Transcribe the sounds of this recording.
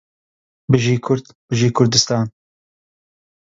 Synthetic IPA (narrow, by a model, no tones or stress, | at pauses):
bɨʒiːkʰʊɾd̪ | b̥ɨʒiːkʰʊɾd̪ɨst̪ɑːn